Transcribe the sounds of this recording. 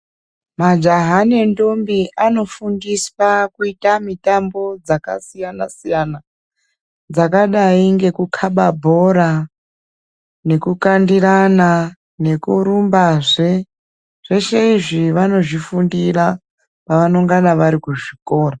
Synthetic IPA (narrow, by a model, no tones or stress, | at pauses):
mad͡ʒaɦanendo̞mbiʔano̞fundiswakuitamitambo̞d͡zaka̰sijana̰sijana | d͡zakaɗaiŋɡe̞kukʰaɓabʱo̞ɾa | ne̞kukandiɾana | ne̞kuɾumbaʐe | ʐ̥e̞ʃe̞iʐiʋano̞ʐifundira | paʋanoŋɡanaʋaɾikuʐiko̞ːra